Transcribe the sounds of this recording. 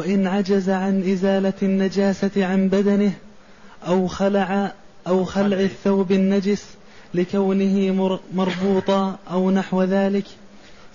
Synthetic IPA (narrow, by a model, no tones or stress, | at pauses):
waʔɪnʕad͡ʒazaʕanʔɪzaːlanːad͡ʒaːsaʕanbad̪anɪh | ʔawxalaʕ | ʔawxalʕɪθːawbanːad͡ʒɪs | lɪkawnɪhɪmɑɾˤbuːt̪ˤɑʔawnaħwaðaːlɪk